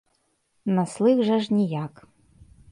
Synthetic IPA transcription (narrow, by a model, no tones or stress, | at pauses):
naslˠɨɣʐɐʐnʲijakʼ